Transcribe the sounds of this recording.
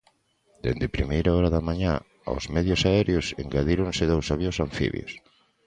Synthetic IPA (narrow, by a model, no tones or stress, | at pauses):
d̪ḛnd̪epɾimejɾaɔɾaðamaɲa | o̰zmɛðjosaɛɾjosḛŋɡaðiɾõnsɪðowsaβjosaɱfḭβjo̰s